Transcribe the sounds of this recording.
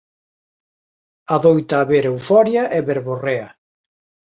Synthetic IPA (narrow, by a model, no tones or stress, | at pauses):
aðojt̪aːβeɾewfɔɾjɐʔɛβeɾβoreɐ